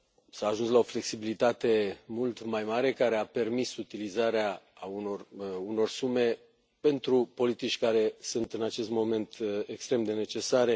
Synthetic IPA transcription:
saːʒunslao̞fle̞ksibilit̪at̪e̞mult̪majmaɾe̞kaɾe̞ape̞rmisut̪ilizaɾeaunoruno̞rsume̞ | pe̞nt̪ɾupo̞lit̪it͡ʃʲkaɾe̞sunt̪ɨnat͡ʃe̞st̪mo̞me̞nt̪ekst̪ɾe̞md̪e̞ne̞t͡ʃe̞saɾe̞

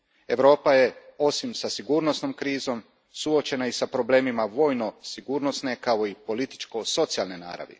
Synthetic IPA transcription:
e̞ʋɾo̞ːpaje̞o̞simsasiɡuːɾno̞sno̞mkɾiːzo̞m | suo̞t͡ʃe̞naisapɾo̞ble̞ːmimaʋo̞jno̞siɡuːɾno̞sne̞kao̞ipo̞lit̪i̥t͡ʃko̞so̞t̪sialˠnena̰ːɾa̰ʋḭ

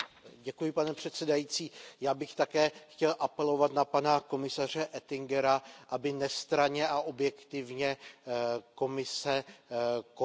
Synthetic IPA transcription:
ɟɛkujɪpanɛpr̝̥ɛt̪sɛdajiːt͡siːjaːbɪxt̪akɛːxcɛlʔapɛlo̞vat̪napanako̞mɪsar̝ɛʔɛt̪ɪŋɡɛɾaʔabɪnɛst̪ɾaɲɛʔaʔo̞bjɛkt̪ɪvɲɛ | ko̞mɪsɛ | k

